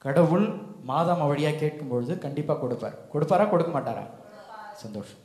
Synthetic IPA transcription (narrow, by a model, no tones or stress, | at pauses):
kɐɽɐʋɯɭmaːðaːmɐʋɐɽɪjaːkeːʈ̚kɯmpɔɻɯðɯkɐɳɖɪpːaːkɔɽɯpːa̰ːɾkɔɽɯpːaːɾaːkɔɽɯkːɐmaːʈːa̰ːɾa̰ː | sɐnd̪oːʂɐ̥m